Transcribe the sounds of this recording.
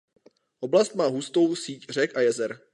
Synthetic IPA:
ʔoblast̪maːɦust̪o̞wsiːcr̝ɛkʔajɛzɛɾ

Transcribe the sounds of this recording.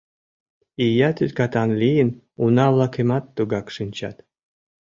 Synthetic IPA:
ijat̪yt̪kɑt̪ɑnlʲijən | unɑvlˠɑkʰemɑt̪ːuɡɑkʂɨnʲt͡ɕa̰t̪

